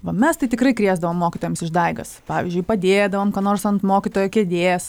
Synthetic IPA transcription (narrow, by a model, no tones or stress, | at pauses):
ʋɐmʲɛst̪ɐɪt̪ʲɪkɾrɐɪkɾʲiːzd̪ɐʋoːmːoːkʲɪt̪oːjɛmsɪʒd̪ɐɪɡɐspɑːʋʲɪzʲd͡ʒʲʊɪpɐd̪ʲeːd̪ɐʋoːmkɑːnoːrsɐnt̪moːkʲit̪oːjɛkʲeːd̪ʲeːs